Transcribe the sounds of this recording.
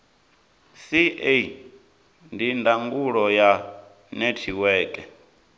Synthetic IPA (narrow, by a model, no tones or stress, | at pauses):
sie | ndindaŋɡuɺɔja | nɛtʰiwɛːkʼɛ